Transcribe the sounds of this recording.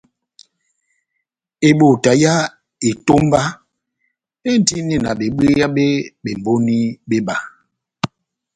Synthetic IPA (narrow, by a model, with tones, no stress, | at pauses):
e˨ɓo˨ta˨ja˦ | e˨to˦m˦ba˦ | e˦n̩˦ti˦ni˦˨na˨ɓe˨ɓe˦ja˦ɓe˦ɓe˨m˨bo˦ni˦be˦ba˨